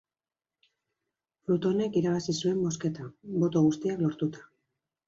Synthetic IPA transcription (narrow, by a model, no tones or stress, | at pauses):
fɾut̪o̞ne̞kiɾaβasisue̞mbo̞ske̞t̪abo̞t̪o̞ɣ̞ust̪iaklo̞ɾt̪ut̪ḁ